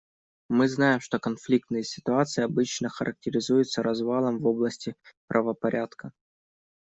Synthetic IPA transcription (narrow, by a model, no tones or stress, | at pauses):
mɨznajɪmʂt̪o̞kɐnflʲik̚t̪nɨjəsʲɪ̥t̪ʊat̪sɨɪɐbɨt͡ɕnəxəɾʔək̚tʲɪɾʲɪzujɪt̪səɾɐzvalˠəmvo̞blˠəsʲtʲɪpɾʔəvəpɐɾʲʔat̪kə